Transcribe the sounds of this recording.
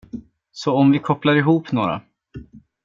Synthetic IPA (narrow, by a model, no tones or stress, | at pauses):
sɔɔmvɪkʰɔplaɾɪɦuːpnoːɾa̰